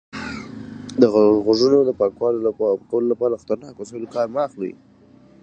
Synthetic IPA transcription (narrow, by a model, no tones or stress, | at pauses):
d̪əɣaɣoʒunod̪əpɑkwɑloakawəlolapɑɾaxt̪aɾnɑkosawlkɑɾmɑːxlḭ